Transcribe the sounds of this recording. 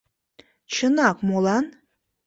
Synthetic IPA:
t͡ʃʰənakʼmolan

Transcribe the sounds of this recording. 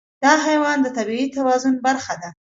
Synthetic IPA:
d̪̥ɑɦajwɑnd̪ət̪abiit̪awɑzʊnbaɾxad̪a

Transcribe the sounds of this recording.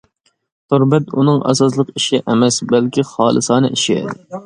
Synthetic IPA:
t̪ʰoɾbɛt̪ṵnɨŋɑ̰sɑslˠəqiʃɛʔɛmɛsbɛlkʲʰiχɑːlˠɨ̰sɑːnɨʔiʃiɛ̰d̪ɪ

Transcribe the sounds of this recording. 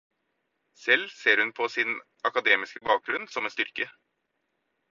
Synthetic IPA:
sɛlːseːɾhʉnpʰɔsɪn | ɑkɑd̪eːmɪskəbɑːk̚ɡɾʉnsɔmɛnst̪ʏɾkə

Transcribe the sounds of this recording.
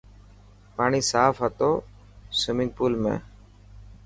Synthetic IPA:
paːɳiːsaːfɦət̪oː | səmɪ̃ŋɡ̚puːlmḛ̃ː

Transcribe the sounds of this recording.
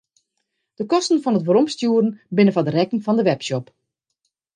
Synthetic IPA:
d̥əkɔstn̩fɔnətʋəɾɔmstjuəɾən̩bɪnəfadərɛkŋ̩fɔndəʋɛpʃɔp

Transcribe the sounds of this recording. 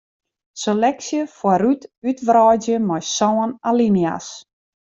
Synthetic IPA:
selɛksjəfwaɾytytʋrɔdjəmɔjsɔːənalinia̰s

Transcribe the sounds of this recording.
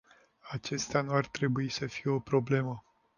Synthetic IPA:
at͡ʃe̞st̪eanuart̪ɾe̞buisəfijeo̞pɾo̞ble̞mə

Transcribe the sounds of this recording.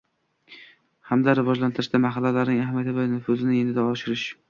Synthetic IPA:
hamd̪aɾɪvɒd͡ʒlant̪ʰɪɾɪʃtd̪amaɦalːalaɾnɪŋahmʲjat̪ɪvanʊfʊzɪnɪenɪd̪aɒʃɪɾɪʃ

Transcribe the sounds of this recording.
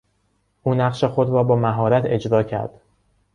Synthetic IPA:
ʔuːnæqʃexo̞d̪ɾɒːbɒːmæɦɒːɾæt̪ʰe̞d͡ʒɾɒːcʰæ̰ɾd̪̥

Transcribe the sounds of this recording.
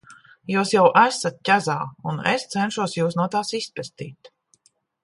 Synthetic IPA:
juːsjawʔæsat̪̚cʲazaːunḛst̪sɛnʃuɔsjuːsnuɔt̪aːsispʲɛst̪ḭːt̪

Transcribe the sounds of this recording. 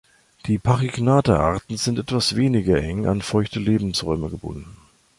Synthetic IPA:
d̥iːpʰaʁiɡnaːtaʔa̰ɐtn̩zɪntʔɛtv̥asv̥eːnɪɡɐʔɛŋʔa̰nfɔʏçtəleːbm̩sʁɔʏməɡəbʊ̰ndn̩

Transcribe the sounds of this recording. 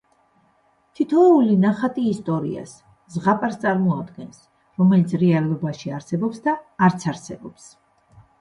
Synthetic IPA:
t̪ʰit̪ʰɔulinaχat̪ʼiːst̪ʼɔɾḭa̰s | zʁapʼaɾst̪sʼaɾmɔad̪ɡɛns | ɾɔmɛlit̪sʰɾɛalɔbaʃiaɾsɛbɔpsd̪aːɾt̪sʰaɾsɛbɔps

